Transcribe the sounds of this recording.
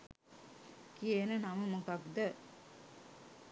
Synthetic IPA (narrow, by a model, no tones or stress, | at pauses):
kienənaməmokakd̪ə